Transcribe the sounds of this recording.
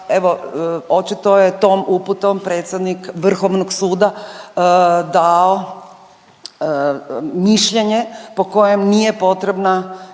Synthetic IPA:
eʋo̞o̞t͡ʃit̪o̞jet̪oːmuput̪ompɾe̞ːt̪sʲjed̪nikʋr̩xoʋnoɡsuːd̪a | d̪ao | miʃʎe̞ɲe̞po̞ko̞je̞mnije̞po̞t̪ɾe̞bna

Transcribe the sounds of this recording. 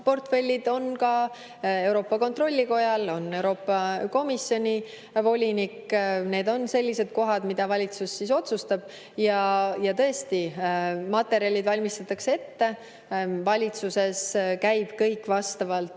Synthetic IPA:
po̞rt̪fe̞lʲːid̪o̞nkɑ | e̞wɾo̞ːpːɑko̞nt̪ro̞lʲːiko̞jɑlo̞nːe̞wɾo̞ːpːɑko̞misjo̞nʲi | vo̞lʲinikːne̞ːd̪o̞nse̞lʲːise̞d̪̥̚ko̞ɦɑd̪̥mid̪̥ɑvɑlʲit̪susːiso̞t̪sust̪ɑb̥̚ | jɑjɑt̪ɤ̞est̪imɑt̪ːˑe̞ɾiɑlʲid̪̥vɑlʲmist̪ɑt̪ːˑɑksee̞t̪ːe̞ | vɑlʲit̪suse̞skæjb̥kɤjkːvɑst̪ɑvɑlt̪

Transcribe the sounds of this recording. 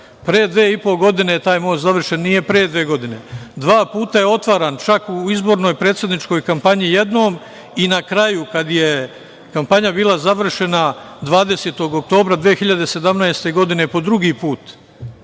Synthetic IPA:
pɾeːd̪ʋeːipo̞ɡo̞d̪ine̞t̪aːjmo̞ːt͡ʃ̪zaʋr̩ʃe̞nnije̞pɾeːd̪ʋeːɡo̞d̪ine̞d̪ʋaːpuːt̪aje̞o̞t̪ʋaːɾant͡ʃakuizbo̞ːɾno̞jpɾe̞ːt̪sed̪nit͡ʃko̞jkampaɲije̞d̪no̞ːm | inakɾajukad̪je̞ | kampaɲabiːlˠazaʋr̩ʃe̞na | d̪ʋaːd̪e̞se̞ːt̪o̞ɡok̚t̪o̞ːbɾad̪ʋeːxiʎad̪e̞se̞d̪amnaest̪e̞ɡo̞d̪ine̞po̞d̪ɾuɡipuːt̪

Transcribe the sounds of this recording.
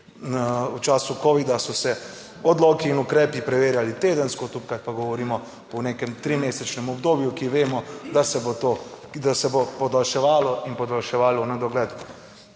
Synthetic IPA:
ut͡ʃaːsukoːʋid̪asɔsɛ | ɔd̪loːkiːnukɾɛːpipɾɛʋeːɾjalit̪eːd̪ənskot̪upkat̪paɡɔʋɔɾiːmɔ | ɔnekɛmt̪ɾimeːsɛt͡ʃnɛmɔbd̪oːbjukiʋeːmɔd̪asɛbot̪o | d̪asɛbopɔd̪alʃɛʋaːlɔinpɔd̪alʃɛʋaːlɔnad̪ɔɡlɛːd̪

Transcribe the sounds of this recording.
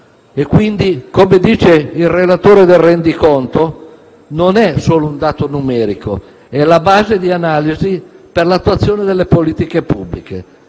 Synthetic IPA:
ekːwind̪ikomed̪iːt͡ʃeilrelat̪oːɾed̪elːɛnd̪ikont̪o | nonɛsoːlound̪aːt̪onumɛːɾiko̰ | ɛlabaːzed̪ianaːliziperlat̪ːuat̪sːjoːned̪elːepoliːt̪ikepubːlike

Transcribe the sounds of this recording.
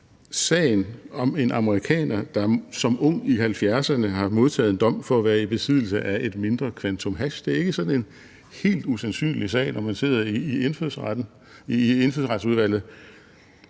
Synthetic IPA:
sɛ̰ːɪnɒ̽me̝nʔɑ̈məʁikʰɛ̰ːnɐd̥ɑ̈sɒ̽mʔɔ̽ŋ̰ihælfjæɐsɐnəɦɑ̈mo̝ð̞ˠt͡sʰɛ̰ːðˠend̥ɒ̽m̰fɒ̽æʋæːɐib̥e̝sið̰ˠl̩səʔæʔe̝d̥me̝nd̥ʁɐkʰʋænt͡sʰomɦæɕd̥e̝æɐe̝ɡ̥əsɒ̥̽n̩e̝n | he̝̰ːld̥usænsy̰ːnlisɛ̰ːɪnʔɒmænse̝ð̰ˠɐiːenføs | e̝nføðˠsʁɑ̈d̥suðˠʋæl̰ð̩ˠ

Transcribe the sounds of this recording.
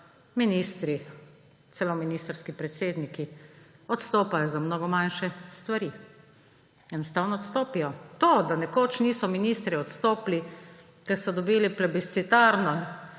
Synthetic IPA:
miniːst̪ɾi | t̪sɛlominiːst̪ɾskipɾɛt̪seːd̪nikiɔt̪st̪oːpajɔzamnoɡɔmanʃɛst̪ʋaɾiː | jɛnɔst̪aːwnɔɔt̪st̪oːpijɔt̪oːd̪anɛkoːt͡ʃniːsɔminiːst̪ɾiɔt̪st̪oːpli | kɛɾsɔd̪ɔbiːliplɛbist̪sit̪aːɾnɔ

